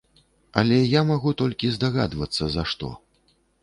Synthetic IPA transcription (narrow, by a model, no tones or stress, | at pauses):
ɐ̰lʲɛjamaɣut̪ɔlʲkʲizd̪aɣa̰d̪vɐt̪sːɐzɐʂt̪ɔ̰